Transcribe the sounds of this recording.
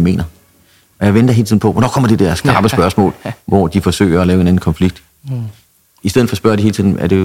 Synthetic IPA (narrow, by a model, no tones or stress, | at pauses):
me̝̰ːnɐ | ʔɒ̽jɑ̈ɪʋend̥ɐɦe̝ːl̩ʰiðˠn̩pʰɒʋɒnɒkʰɒ̽m̰ɐd̥ed̥ɛɐ̰sɡ̥ɑ̈ːb̥əsb̥ɶɐsmɔ̰ːlʋɒd̥ifɒ̽sø̰ːɪɐɒlɛːʊe̝næn̩kʰɒ̽nfliɡ̥̚d̥ | isd̥eð̩ˠfɒ̽sb̥ɶɐɾ̥iɦ̝lt͡sʰiðˠn̩æɐd̥e̝